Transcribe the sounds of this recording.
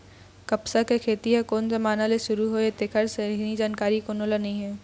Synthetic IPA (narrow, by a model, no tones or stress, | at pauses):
kɐpsakekʰeːt̪iakoːnzɐmaːnaleʃʊɾuɦoet̪ekʰəɾseɾnid͡ʒaːnkaːɾikonolɐnĩɦɛː